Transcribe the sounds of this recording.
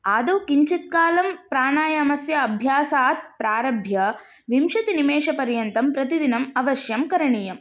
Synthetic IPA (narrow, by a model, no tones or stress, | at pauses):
aːd̪ɐwkiɲt͡ʃit̪̚kaːlɐmpɾaːɳaːjɐmɐsjɐɐbʱjaːsaːt̪̚pɾaːɾɐbʱjɐ | ʋimʃɐt̪inimeːʂɐpɐɾjɐnt̪ɐmpɾɐt̪id̪inɐmɐʋɐʃjɐmkɐɾɐɳijɐm